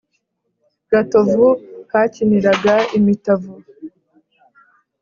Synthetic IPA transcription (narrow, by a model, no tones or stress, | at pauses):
ɡ̥atovukaːciniɾaɡaimitavu